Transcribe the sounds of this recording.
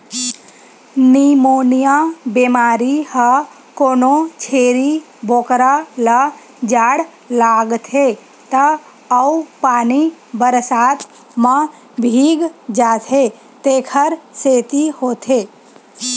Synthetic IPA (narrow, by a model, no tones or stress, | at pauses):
nimonijabemaɾihə | konot͡ʃʰeɾi | bʱokɾalə | d͡ʒaɽ | laɡt̪ʰe | t̪ə | əupanibəɾsat̪ | mã | bʱiɡd͡ʒat̪ʰe | t̪ekʰəɾset̪ihot̪ʰe